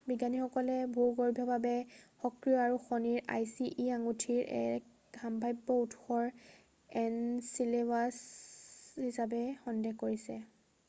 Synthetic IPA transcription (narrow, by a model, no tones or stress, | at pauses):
biɡanixɔkɔlɛbʱuɹɡɔɹbʱjɔbʱabɛxɔkɹijɔaɹuxɔniɹa̰jsiʔiaŋutʰiɹʔɛ̰ɛk | ɡʱambʱajbːɔutʰxɔɹ | ɛnsilewas | hisabɛxɔndɛkoɹisɛ